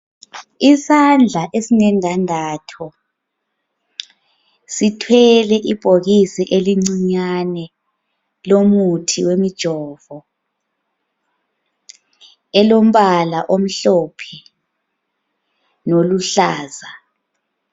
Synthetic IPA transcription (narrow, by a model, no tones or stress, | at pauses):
isand͡ɮʱaʔesinɛŋaŋaːtʰɔ | sitʰwɛlɛʔib̥ʱoɣisiʔeliŋ͡ǀiɲanɛ | lomutʰiwemid̥ʒ̥ʱɔːvɔ | ɛlom̩βalaʔom̩ɬɔpʰɛ | noluɬaːza